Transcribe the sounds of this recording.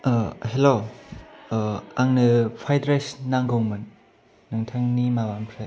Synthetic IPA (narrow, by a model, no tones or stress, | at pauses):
helo | aŋnɯpʰajdɾesnaŋɡoŋmɯnː | ɯŋtʰaŋnimawaŋpʰɾe